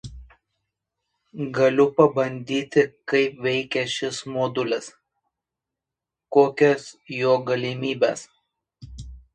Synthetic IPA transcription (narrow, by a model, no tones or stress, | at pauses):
ɡɐlʲʊpɐbɐnʲd̪ʲiːt̪ʲɪkɐɪpʋʲɛɪkʲɛʃʲɪsmoːd̪ʊlʲɪs | koːkʲɛsjoːɡɐlʲɪmʲiːbʲɛ̰ːs